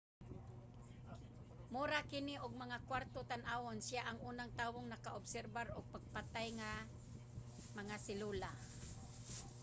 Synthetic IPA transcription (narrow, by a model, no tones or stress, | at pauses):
muɾakɪniʔʊɡ̚maŋakwaɾt̪ot̪anʔawonsɪaʔaŋʔuːnaŋt̪aːwoŋnakaʔʊbsɛɾbaɾʊɡ̚paɡ̚pat̪ajŋa | maŋasɪlula